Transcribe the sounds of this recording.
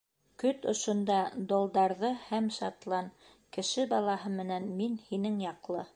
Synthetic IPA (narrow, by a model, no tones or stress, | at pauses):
kɵt̪ŏʃŏnd̪ɑd̪olˠd̪ɑɾðɤhæmʃɑt̪lˠɑn | kɘ̆ʃɘbɑlˠɑɦɤmɘ̆nænminhinɘŋjɑqlˠɤ